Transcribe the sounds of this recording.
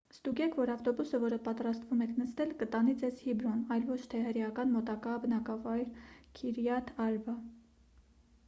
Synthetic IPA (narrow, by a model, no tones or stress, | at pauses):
st̪uɡɛkʰvɔɾɑft̪ɔbusəvɔɾəpɑt̪ɾɑst̪vumɛkʰnəst̪ɛlkət̪ɑnid͡zɛzhibɾɔnɑjlvɔt͡ʃʰt̪ʰɛhəɾjɑkɑnmɔt̪ɑkɑbənɑkɑvɑjɾkʰiɾjɑt̪ʰɑɾvə